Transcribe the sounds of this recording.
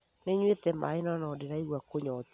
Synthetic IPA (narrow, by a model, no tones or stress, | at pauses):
neɲwet̪ɛma̰enɔnɔːdeɾaiɣwakoɲɔt̪